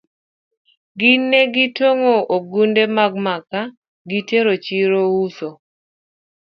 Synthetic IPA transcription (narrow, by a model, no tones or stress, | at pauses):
ɡɪnːeɡɪtoŋooɡundemaɡmaka | ɡiteɾot͡ʃiɾouso